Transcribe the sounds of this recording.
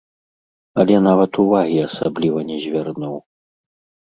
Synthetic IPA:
ɐlʲɛnavɐt̪uvaɣʲiɐsa̰blʲivɐnʲɛzʲvʲarnuw

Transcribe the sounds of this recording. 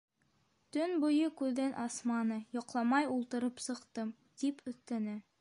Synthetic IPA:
t̪ɵnbujɤkʉðɘnʔɑsmɑnɤjɒqlˠɑmɑjulˠt̪ɤ̆ɾɤpsɤ̆qt̪ɤm | d̪̥ipʰɵ̆θːænɘ

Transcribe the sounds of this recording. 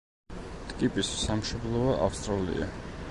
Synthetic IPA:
t̪ʼkʼipʼissamʃɔblˠɔaʔafst̪ʼɾalḭa̰

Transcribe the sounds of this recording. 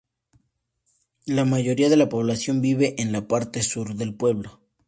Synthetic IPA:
lamaʝo̞ɾiaðe̞lapo̞β̞lasjo̞mbiβe̞ʔenlapaɾt̪e̞suɾðe̞lpwe̞βlo

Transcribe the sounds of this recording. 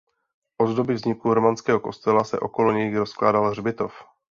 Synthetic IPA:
ʔo̞zdo̞bɪvzɲɪkuɾomanskɛːɦo̞ko̞st̪ɛlasɛ̰ʔo̞̰koloɲɛjɪɾoskla̰ːdalr̝bɪt̪o̞f

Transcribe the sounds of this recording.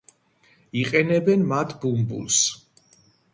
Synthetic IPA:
iqʼɛnɛbɛnmat̪ʰbumbṵls

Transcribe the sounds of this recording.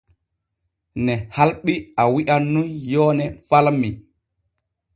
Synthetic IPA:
nɛhalɓiawiʔanːunjɔːnɛfalmi

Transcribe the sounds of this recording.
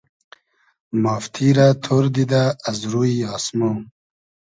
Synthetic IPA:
maːft̪ʰiɾat̪ʰoɾd̪id̪aːzɾuiɑːsmo

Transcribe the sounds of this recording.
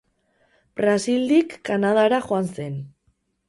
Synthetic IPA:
b̥ɾasild̪ikːanað̞aɾaʝoanse̞n

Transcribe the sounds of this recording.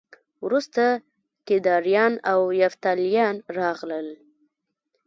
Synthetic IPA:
wɾust̪a | t̪ɪd̪ɑɾjɑnawjaft̪aljɑnɾɑɣləl

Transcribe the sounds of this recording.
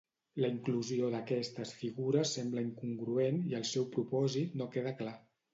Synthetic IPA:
ləiŋkluzioðəkɛst̪əsfiɣuɾəsːɛmbləiŋkuŋɡɾueniəlˠsɛwpɾupɔzit̪nokeðəkla

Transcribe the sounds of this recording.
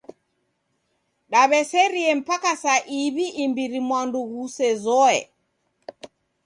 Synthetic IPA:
ɗaβɛseɾiɛmpakasaʔiβiʔːmbiɾimwanduɡusɛzɔɛ̰

